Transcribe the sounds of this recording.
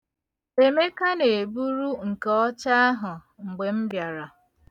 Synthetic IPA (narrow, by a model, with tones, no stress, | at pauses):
e˨me˦ka˦ne˨bu˦ɾu˦ŋ̩˨kɔ˦t͡ʃa˦a˦ɦʊ˨ | ŋ͡m̩˨ɡ͡be˨m̩˦bja˨ɾa˨